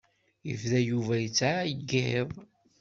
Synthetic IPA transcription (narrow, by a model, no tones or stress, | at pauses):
jə̰vðæjuvæjət͡sːʕajəɡːheðˤ